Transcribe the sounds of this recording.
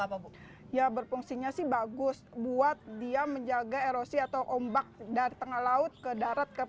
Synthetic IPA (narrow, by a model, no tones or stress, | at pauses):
jabərfuŋsiɲasɪhbaɡʊsbuat̪̚diaməɲd͡ʒaɡaeɾosiat̪awʔombak̚daɾit̪əŋahlaʊt̪̚kədaɾat̪̚kə